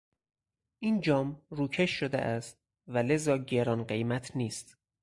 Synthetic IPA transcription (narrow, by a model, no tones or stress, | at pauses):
ʔiːnd͡ʒɒːmruːcʰe̞ʃːod̪ḛʔæst̪̚ | væle̞zɒːɟeɾɒːnɢe̞jmæt̪ʰniːst̪